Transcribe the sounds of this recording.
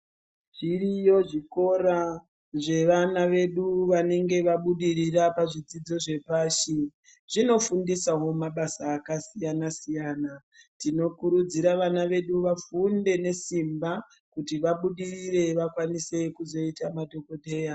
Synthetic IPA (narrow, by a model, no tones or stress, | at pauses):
ʐirijo̞ʐiko̞ɾa | ʐe̞ʋanaʋe̞ɗuʋane̞ŋɡe̞ʋaɓuɗiɾirapaʐid͡zid͡zo̞ʐe̞paːʃi | ʐ̥ino̞fundisaɦo̞maɓasaːkasijanasijaːna | tino̞kuɾud͡ziɾaʋanaʋe̞ɗuʋafunde̞ne̞simba | kutiʋaɓuɗirire̞ʋakwanise̞kuzo̞itamadʱo̞ko̞ɗe̞ːja